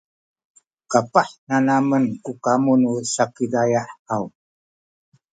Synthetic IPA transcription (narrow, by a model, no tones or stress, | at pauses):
kapaħnanamənkukamunusakidajaħau